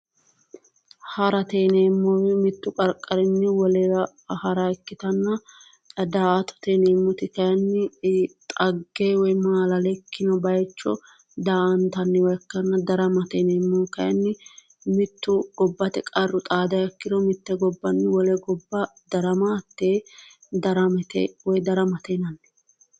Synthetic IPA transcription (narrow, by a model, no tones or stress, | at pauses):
hɐɾɐt̪eːneːmːowɛmɪt̪ːʊkʼɐɾkʼːɐɾɪnːɛwɔlɛɾɐ | hɐɾakːɪt̪ɐnːɐ | d̪aːɐt̪ɔ̥t̪eːneːmːɔt̪ɪkɐjɐnːɪt̪ʼɐɡːeːwɔjmaːlɐlɛkʰːɪnɔbɐjt͡ʃːɔ̰ | d̪aːɐnt̪ɐnːɛwɔjɐkːɐnːɐd̪ɐɾɐmɐt̪ɛnemːɔkɐjɐnːɪ | mɪt̪ːʊɡɔbːɐt̪ɛkʼɐrːʊt̪ʼaːd̪ɐjɐkːɪd̪ɔmɪt̪ːɛɡɔbːɐnːɪwɔlɛɡɔbːɐd̪ɐɾɐmaːt̪ːeː | d̪ɐɾɐmɛt̪ḛwɔjd̪ɐɾɐmɐt̪enɐnːɛ̥